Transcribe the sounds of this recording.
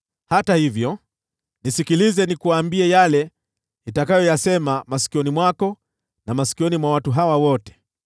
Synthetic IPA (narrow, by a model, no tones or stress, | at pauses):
hatahivjɔ | nisikilizɛnikuwaːmbiɛjalɛ | itakajɔjasɛmamasi̥kiɔnimwakɔ | namasi̥kiɔnimwawatuɦawawɔtɛ̥